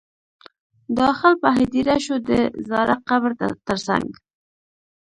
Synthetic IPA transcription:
d̪ɑxɪlpaɦɪd̪iɾaʃod̪əzɑɾaqabɾt̪əɾsa̰ŋɡ

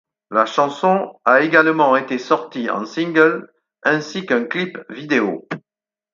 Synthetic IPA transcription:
laʃɑ̃sɔ̃aeɡalmɑ̃et̪esɔʁt̪iɑ̰̃sĩŋɡəl | ɛ̃sikɛ̃klipvid̪eo

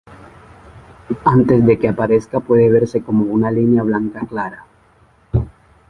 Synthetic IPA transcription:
ant̪e̞zd̪ekeapaɾe̞skapwe̞ðe̞β̞e̞ɾse̞ko̞mo̞unalinjaβ̞laŋkaklaɾa

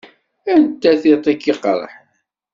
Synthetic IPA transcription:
ænt̪ːæθit̪ˤikːiqə̰ɾˤə̰ħ

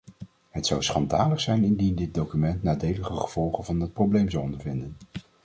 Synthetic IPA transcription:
ɦətsʌwsχɑndaːləχsɛjnɪndindɪt̚dowkymɛntnaːdejləχəχəv̥ɔlˠχənvɑnɑt̚prowblejmzɑwɔndəɹvɪndən

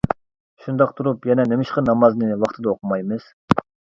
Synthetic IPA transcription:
ʃund̪ɑq̚t̪ʰuɾupjɛnɛnemɪʃqɑnɑmɑznɨwɑχt̪ʰɨd̪ɑoqʰumɑjmɨz̥

